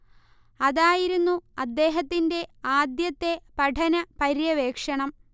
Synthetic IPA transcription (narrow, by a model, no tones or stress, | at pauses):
ɐðaːjiɾunːuɐd̪ːe̞ːɦɐt̪ːinde̞aːd̪jɐt̪ːe̞pɐʈʰɐnɐpɐɾjɐʋe̞ːkʂɐɳɐm